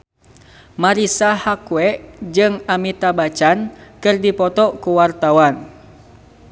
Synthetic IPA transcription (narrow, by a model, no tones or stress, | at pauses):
maɾisahakuɛʔd͡ʒɨŋamit̪abat͡ʃankɨrdipɔt̪ɔkuwart̪awan